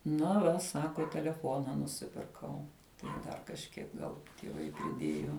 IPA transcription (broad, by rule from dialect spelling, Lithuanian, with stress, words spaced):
nɐ ˈʋɐ ˈsɑːkoː tʲɛlʲɛˈfoːnɐ nʊˈsʲɪpʲɪrkɐʊ tɐɪ ˈʋɐ dɐr kɐʃʲˈkʲiɛk ˈɡɐlˠ tʲiɛˈʋɐɪ pʲrʲɪˈdʲeːjʊ